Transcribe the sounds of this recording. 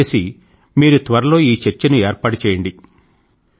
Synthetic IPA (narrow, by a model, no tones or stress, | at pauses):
si | miːɾut̪ʋɐɾɐlo̞ːiːt͡ʃeɾt͡ʃɐnueːɾpaːɽut͡ʃɛːjɐɳɖi